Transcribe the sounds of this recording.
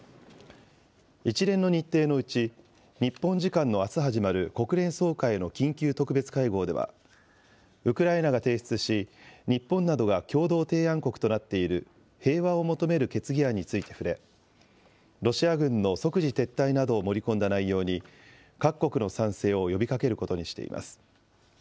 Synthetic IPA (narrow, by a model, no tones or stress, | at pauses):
it͡ɕiɾẽ̞nːo̞ɲ̟it̪ːe̞ːno̞ɯ̟t͡ɕi | ɲ̟ipːõ̞ɲ̟d͡ʑikãnːo̞asɨɦaʑimaɾɯ̟ko̞kɯ̟ɾẽ̞ɰ̃so̞ːkae̞no̞kʲĩŋkʲɨːt̪o̞kɯ̟be̞t͡sɨ̥kaiɡo̞ːd̪e̞βa̰ | ɯ̟kɯ̟ɾaenaɡat̪e̞ːɕi̥t͡sɨɕiɲ̟ipːõ̞nːad̪o̞ɡakʲo̞ːd̪o̞ːt̪e̞ːãŋko̞kɯ̟̥t̪o̞nat̪ːe̞iɾɯ̟ | he̞ːβao̞mo̞t̪o̞me̞ɾɯ̟ke̞t͡sɨɡʲiaɲ̟it͡sɨit̪e̞̥ɸɯ̟ɾe̞ | ɾo̞ɕiaɡɯ̟̃nːo̞so̞kɯ̟ʑit̪e̞t̪ːainad̪o̞ːmo̞ɾʲikõ̞nd̪anaijo̞ːɲ̟i | kakːo̞kɯ̟no̞sãɰ̃se̞ːo̞jo̞bʲikake̞ɾɯ̟ko̞t̪o̞ɲ̟iɕi̥t̪e̞̰ḭmʔa̰sɨ̥